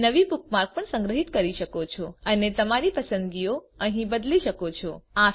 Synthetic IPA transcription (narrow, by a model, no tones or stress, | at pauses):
nəʋibuk̚ʰmaɾk̚pəɳsə̃ŋɡɾəɦit̪kəɾiʃəkot͡ʃʰoənet̪əmaɾipəsə̃nd̪ɡio | əɦĩbəd̪liʃəkot͡ʃʰoa